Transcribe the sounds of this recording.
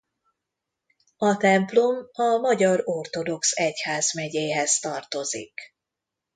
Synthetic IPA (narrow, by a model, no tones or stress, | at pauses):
ɒt̪ɛmplo̞mɒmɒɟɒɾo̞rt̪o̞d̪o̞ksɛchaːzmɛɟeːɦɛzt̪ɒrt̪o̞zḭk